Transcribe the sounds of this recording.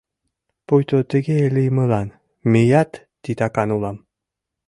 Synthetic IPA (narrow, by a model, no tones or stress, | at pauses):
pujt̪ot̪ə̆ɡeelijmə̆lɑn | mejat̪ːit̪ɑkɑnulˠɑm